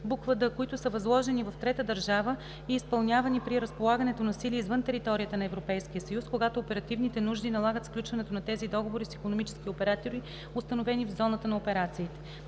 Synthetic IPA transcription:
bukvəd̪əkoit̪ʊsəvɐzlˠɔʒɛnivɐft̪ɾɛt̪əd̪əɾʒavə | iːspɐlˠnʲavɐnipɾiɾəspolˠaɡɐnɛt̪onɐsiliizvɤnt̪ɛɾit̪ɔɾijət̪ənɐɛvɾopɛjsk̟ijəsɐjuskoɡat̪oːpɛɾɐt̪ivnit̪ɛnuʒd̪inɐlˠaɡət̪fklʲut͡ʃvɐnɛt̪onɐt̪ɛzid̪ɔɡovoɾisikonomit͡ʃɛ̥skʲiopɛɾat̪oɾi | ʊst̪ɐnovɛnivzɔnət̪ənɐopɛɾat̪siːt̪ɛ̥

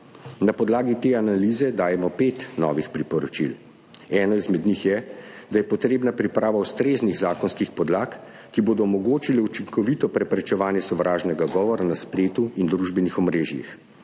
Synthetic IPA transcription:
napɔd̪laːɡit̪eːanaliːzɛd̪aːjɛmɔpeːt̪nɔ̰ːʋixpɾipɔɾɔt͡ʃḭl | ɛːnɔizmɛd̪nixjɛd̪ajɛpɔt̪ɾeːbnapɾipɾaːʋaust̪ɾeːzniɣzaːkɔnskixpɔd̪laːkː | iboːd̪ɔːmɔɡoːt͡ʃilɛut͡ʃiŋkɔʋit̪ɔpɾɛpɾɛt͡ʃɛʋaːnjɛsɔʋɾaːʒnɛɡaɡɔːʋɔɾanaspleːt̪uind̪ɾuʒbɛnixɔmɾeːʒjḭx

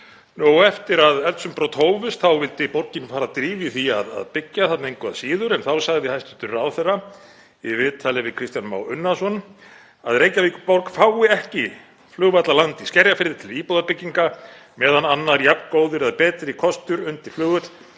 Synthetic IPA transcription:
nowɛft̪ɪɾaðɛlt̪sʏmpɾɔwt̪hoːwvɪst̪θawvɪlt̪ɪpɔɾcɪnfaːɾaðt̪ɾiːvɪθiaða̰ðpɪcːaθat̪naejŋkʰvɛðasiːðʏɾɛnθawsaɣðɪhajst̪ʏ̥t̪ʏɾawθɛrːa | ɪvɪːt̪ʰaːlɪvɪðkʰɾɪst̪janma̰wʏnːasɔn | aðɾeːjcavikʏpaɾkfawɪɛhcɪ | flʏːɣvajt̪lalant̪iskcɛɾjafɪɾðɪt̪ʰɪliːpowðapɪcːiŋka | mɛːðananːaɾjapnkoːwðʏɾaðpɛːt̪ɾɪkʰɔst̪ʏɾʏnt̪ɪɾ̥flʏːɣvɛt̪l

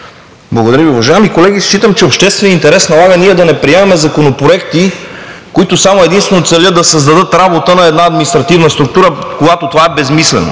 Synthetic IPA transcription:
blˠɐɡod̪ɐɾjəviuvɐʒaɛmikolɛɡ̟ʲist͡ʃit̪əmt͡ʃɛopʃt̪ɛst̪vɛnint̪ɛɾɛsnɐlˠaɡəniɛd̪ɐnɛpɾiɛmɐmɛzɐkonopɾoɛkt̪ikoit̪ʊsamʊɛd̪inst̪vɛnot̪sɛlʲəd̪d̪ɐsəzd̪ɐd̪ɤt̪ɾabot̪ənɐɛd̪naɐd̪minist̪ɾɐt̪ivnəst̪ɾʊk̚t̪uɾəkoɡat̪ot̪ovaɛbɛzmislɛ̰no̰

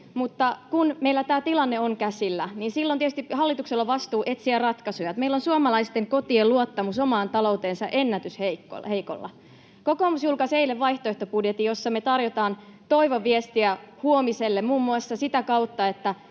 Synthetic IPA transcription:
mut̪ːɑkunmeilːæt̪æːt̪ilɑnːeoŋkæsilːæniːnsilːont̪iet̪y̥st̪ihɑlːit̪ukselːɑʋɑst̪uːʔe̞t̪siærɑt̪kɑsujɑt̪meilːonsuomɑlɑist̪eŋko̞t̪ieluot̪ːɑmuso̞mɑːnt̪ɑlo̞wt̪eːnsɑʔe̞nːæt̪ysheikːo̰heiko̰lːɑ̰ | ko̞koːmusjulkɑseileʋʋɑjht̪oeht̪opudjet̪ijo̞sːɑmet̪ɑrjot̪ɑːnt̪o̞iʋoʋːiest̪iæhuomiselːemmuːmːuɑsːɑsit̪ækɑut̪ːɑe̞t̪ːæ

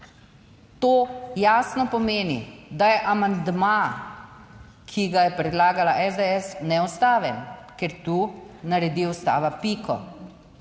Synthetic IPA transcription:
t̪oːjaːsnɔpɔmeːnḭd̪ajɛʔamand̪ma | kʰiɡajɛpɾɛd̪laːɡalaʔɛzd̪eɛsnɛɔst̪aːʋɛmkɛɾt̪unaɾɛd̪iɔst̪a̰ːʋapikʰɔ̰

